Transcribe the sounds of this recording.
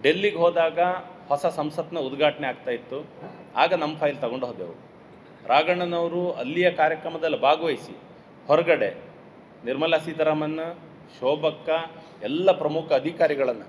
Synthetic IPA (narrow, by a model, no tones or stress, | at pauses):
ɖelːiɡɦɔːd̪aːɡɐhɔsɐsɐmsɐt̪nɐud̪ɡʱaːʈɐɳeaːɡ̚t̪aːjit̪ːua̰ːɡɐnɐmːɐpʰɐːjlt̪ɐɡoɳɖɦoːd̪eːʋu | ɾʔaːɡɐɳɐnɐʋɾuɐlːijɐkaːɾjɐkɾɐmɐd̪ɐlːibʱaːɡʋɐjsḭ | hɔɾɐɡɐɽe | niɾmɐlasiːd̪ɐɾaːmɐnːɐ | ʃɔːbɐkːɐ | ɛlːɐpɾɐmukʰɐːd̪ʱikaːɾiɡɐɭɐnːu